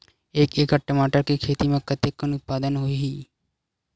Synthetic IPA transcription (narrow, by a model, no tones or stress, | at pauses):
eːkeːkəʈːəmaːʈəɾkikʰeːt̪imẽkət̪ekːənʊt̪̚paːd̪ənɦoiɦiː